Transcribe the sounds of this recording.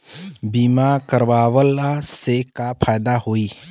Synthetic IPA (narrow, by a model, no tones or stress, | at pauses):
biːmakəɾwaːʋəlasekapʰaːjd̪aɦoːiː